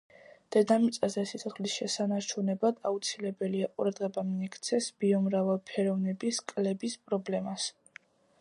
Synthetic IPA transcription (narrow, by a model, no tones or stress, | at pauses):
d̪̥ɛd̪amit̪sʼazɛsit̪sʰɔχlisʃɛsanaɾt͡ʃʰunɛbad̪̥aut̪sʰilɛbɛliaqʼṵɾad̪ʁɛbamiɛkʰt̪sʰɛsb̥iɔmɾavalˠpʰɛɾɔvnɛbiskʼlɛbispʼɾɔblɛmas